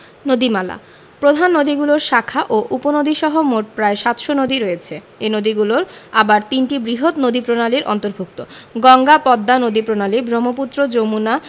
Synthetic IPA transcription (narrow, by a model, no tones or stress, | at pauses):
nod̪imala̰ | pɾod̪ʱanːod̪iɡuloɾʃakʰaʔoʔuponod̪ʱiʃɔɦomoʈ̚pɾaeʃat̪ʃonod̪iɾoet͡ɕʰe | enod̪iɡuloɾabaɾt̪inʈibɾiɦot̪nod̪ipɾonaliɾʔɔ̰nt̪oɾbʱuk̚t̪oɡɔŋɡapɔd̪ːanod̪ipɾonalibʱɾomop̬ut̪ːɾod͡ʑomuna